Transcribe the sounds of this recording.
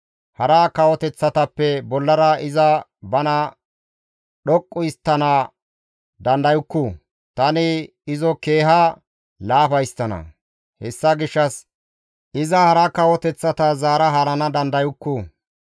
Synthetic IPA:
hɐɾɐkɐwɔt̪ɛt͡sːɐt̪ɐpːɛbɔlːɐɾɐɪzɐbɐnɐ | ɗɔkʼːʊɪst̪ːɐnɐ | d̪ɐnd̪ɐjʊkːʊ | t̪ɐnɪ | ɪzɔke̞ːɦɐ | laːfɐjst̪ɐnɐ̰ | hɛsːɐɡɪʃːɐs | ʔɪzɐhɐɾɐkɐwɔt̪ɛt͡sːɐt̪ɐzaːɾɐɦɐɾɐnɐd̪ɐnd̪ɐjʊkːʊ

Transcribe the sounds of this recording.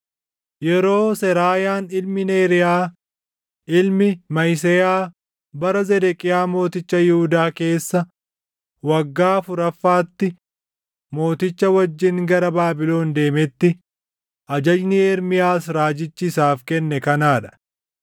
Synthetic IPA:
jɛɾo̞ːsɛɾaːjaːnɪlmɪneːɾɪjaː | ʔɪlmɪmɐjs̬ɛjaː | bɐɾɐzɛd̪ɛkʼɪjaːmo̞ːt̪ɪt͡ʃːɐjɪhʊd̪aːke̞ːsːɐ | wɐɡːaːfʊɾɐfːaːt̪ːɪ | mo̞ːt̪ɪt͡ʃːɐwɐd͡ʒːɪŋɡɐɾɐbaːbɪlo̞ːnd̪e̞ːmɛt̪ːɪ | ʔɐd͡ʒɐd͡ʒnɪɛɾmɪjaːs̬ɾaːd͡ʒɪt͡ʃːɪsaːfkɛnːɛkɐnaːᶑɐ̥

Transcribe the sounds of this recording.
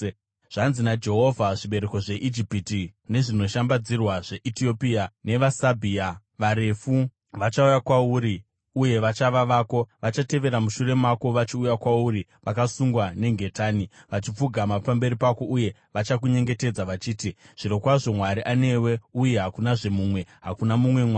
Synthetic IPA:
ʐ̥anzinad͡ʒe̞ɦo̞vʱaʐiɓe̞ɾeko̞ʐe̞ʔid͡ʒipitine̞ʐino̞ʃambad͡zirwaʐe̞ʔitio̞piane̞ʋasabʱiːa | ʋaɾe̞fu | ʋat͡ʃaujakwauɾi | uje̞ʋat͡ʃaʋaʋaːko̞ʋat͡ʃate̞ʋe̞ɾamuʃure̞mako̞ʋat͡ʃiujakwauɾiʋakasuŋɡwane̞ŋɡʱe̞taːniʋat͡ʃip͡fuɡʱamapambe̞ɾipako̞ʔuje̞ | ʋat͡ʃakuɲe̞ŋɡe̞te̞d͡zaʋat͡ʃiːtiʐ̥iɾo̞kwaʐo̞mwaɾiʔane̞we̞uje̞ɦakunaʐe̞muːmwe̞ɦakunamumwe̞mwa

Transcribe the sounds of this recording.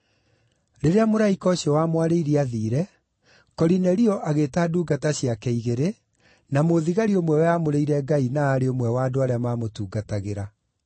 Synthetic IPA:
ɾeɾeamoɾaikɔɕjɔwamwaɾeiɾiaðiːɾɛ | kɔɾinɛɾiɔʔaɣetaːduːɡataɕjakɛiɣeɾe | namoðiɣaɾiomwɛwɛjamoɾeiɾɛɡainaːɾeomwɛwaːdoaɾeamaːmotuːɡataɣeɾa

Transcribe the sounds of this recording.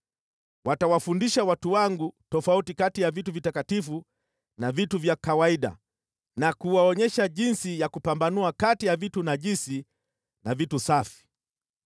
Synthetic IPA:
watawafundiʃawatuwaŋɡutɔfautikatijavituvitakatifu | navituvjakawaiɗa̰ | nakuwaɔɲɛʃaʄinsijakupambanuakatijavitunaʄisi | navitusafi̥

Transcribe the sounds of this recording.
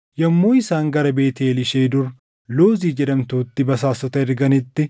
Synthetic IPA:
jɐmːoːɪsaːŋɡɐɾɐbe̞ːt̪eːlɪʃeːd̪ʊɾ | loːziːd͡ʒɛd̪ɐmt̪uːt̪ːɪbɐsaːsɔt̪ɐɪɾɡɐnɪt̪ːɪ

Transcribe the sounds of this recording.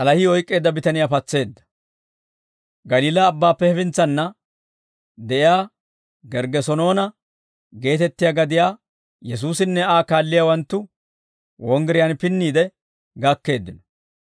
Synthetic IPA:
ʔɐlɐhɪɔjkʼːe̞ːd̪ːɐbɪt̪ɐnɪjaːpɐt͡sːe̞ːd̪ːɐ̥ | ɡɐliːlɐːbːaːpːɛhɛfɪnt͡sːɐnːɐ | d̪ɛʔɪjaː | ɡɛɾɡɛsɔno̞ːnɐ | ɡe̞ːt̪ɛt̪ːɪjaːɡɐd̪ɪjaː | jɛs̬uːsɪnːɛaːkaːlːɪjaːwɐnt̪ːʊ | wɔŋɡɛɾɪjaːnpɪnːiːd̪ɛ | ɡɐkːe̞ːd̪ːɪnɔ̥

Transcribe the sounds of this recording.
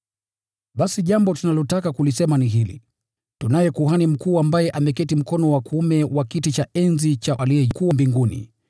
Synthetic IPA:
ɓasiʄambɔtunalɔtakakulisɛmaniɦilḭ | tunajɛkuɦanim̩kuːambajɛʔamɛkɛtim̩kɔnɔwakuumɛwakitit͡ʃaʔɛnzit͡ʃaalijɛkuwambiŋɡunḭ

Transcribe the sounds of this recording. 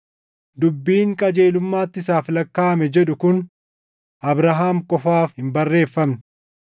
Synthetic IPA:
d̪ʊbːiːŋkʼɐd͡ʒe̞ːlʊmːaːt̪ːɪsaːflɐkːaːmɛd͡ʒɛᶑʊkʊn | ʔɐbɾɐɦaːmkʼɔfaːfhɪmbɐrːe̞ːfːɐmnɪ

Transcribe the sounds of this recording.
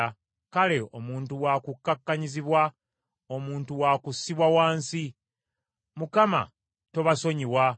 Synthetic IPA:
kale̞o̞muːntuwakukːakːaɲiziβwa | o̞muːntuwaːkusːiβwawaːnsi | mukama̰ | to̞βaso̞ɲiwa

